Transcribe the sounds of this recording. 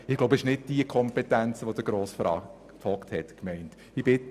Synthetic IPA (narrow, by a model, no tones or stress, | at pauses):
ɪɡ̥loʊbɪʃnɪd̚d̥iəkʰɔmpɛtænt͡sʋod̥əɡɾoːsfɾɑ̰ | fɔkthɛtkmɛɪnt | ibɪt